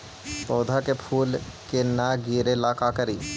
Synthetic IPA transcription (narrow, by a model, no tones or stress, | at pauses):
pɔːd̪ʱakepʰuːlkenaːɡiːɾelaːkaːkəɾiː